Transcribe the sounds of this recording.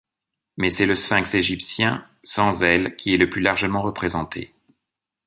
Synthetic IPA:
mɛsɛləsfɛ̃kseʒipsjɛ̃ | sɑ̃zɛlkʲʰiɛləplylaʁʒəmɑ̃ʁəpχezɑ̃t̪ʰḛ

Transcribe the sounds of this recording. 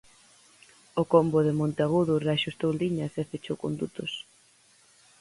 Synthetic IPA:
ʊkomboðɪmõnt̪eaɣuðʊreaʃust̪owliɲɐsefet͡ʃowko̰nd̪ut̪ʊs

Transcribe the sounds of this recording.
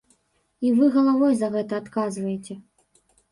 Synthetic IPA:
ivɨɣɐlˠavɔjzɐɣɛt̪ɐːt̪kazvɐjet͡sʲɛ

